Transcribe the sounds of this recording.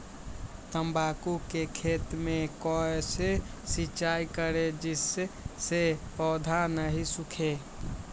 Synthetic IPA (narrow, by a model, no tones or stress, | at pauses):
t̪əmbakukekʰet̪mekɔese | sit͡ʃajkəɾed͡ʒiseːepɔd̪ʱanəɦisukʰe